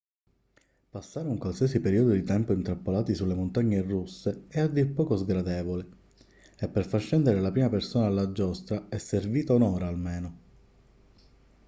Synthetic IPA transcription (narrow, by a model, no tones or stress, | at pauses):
pasːaːɾeuŋkwalsiɛsipeɾiːod̪od̪it̪ɛmpoint̪ɾapːolaːt̪isulːemont̪aɲːerusːeɛad̪ːipːɔːkozɡɾad̪ɛːvole | epːerfart͡ʃːɛnd̪eɾelapɾiːmapersoːnaːlːad͡ʒːɔst̪ɾaɛsːerviːt̪aonɔːɾaːlmeːno